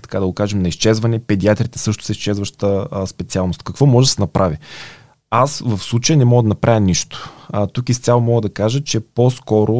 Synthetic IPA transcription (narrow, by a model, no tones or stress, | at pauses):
t̪ɐ̥kad̪ɐɡokaʒɛmnɐist͡ʃɛzvɐnɛpɛd̪iat̪ɾit̪ɛ̥sɤʃt̪ʊ̥sɛist͡ʃɛzvəʃt̪əspɛt̪sialˠnʊst̪kɐkvɔmɔʒɛd̪ɐ̥sɛnɐpɾʔavi | asvɐfslˠut͡ʃəjənɛmɔɡəd̪ɐnɐpɾʔavʲjəniʃt̪ʊ̥ət̪ukist̪ʲalˠomɔɡəd̪ɐkaʒət͡ʃɛposkɔɾʊ